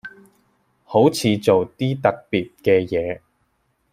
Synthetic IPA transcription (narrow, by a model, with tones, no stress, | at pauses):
ho˨˥wt͡sʰiː˨˧t͡so˨wt̪iː˥t̪ɐ˨k̚piː˨t̚kɛː˧jɛː˨˧